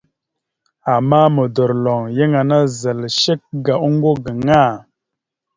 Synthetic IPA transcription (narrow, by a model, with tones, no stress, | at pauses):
a˨mːa˦mə˨də˨ɾlɔ˨ŋje˦ŋa˨na˦zə˨lʃə˦k̚ɡa˨u˦ŋ˦ɡo˦ɡə˨ŋa˦˨